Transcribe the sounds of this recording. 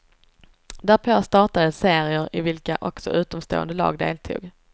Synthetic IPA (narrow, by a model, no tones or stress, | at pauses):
d̪æɾpʰoːst̪ɑːʈad̪əseːɾɪəɾɪvɪlkaʔɔksɔ̰ʔʉ̟ːt̪ɔmst̪o̰ːə̰nd̪əlɑ̰ːɡd̪eːlt̪ʰṵːɡ